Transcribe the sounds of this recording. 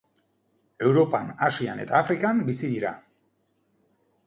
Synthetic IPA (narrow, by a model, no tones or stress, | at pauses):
e̞wɾo̞panasiane̞t̪aːfɾikambisiðiɾa̰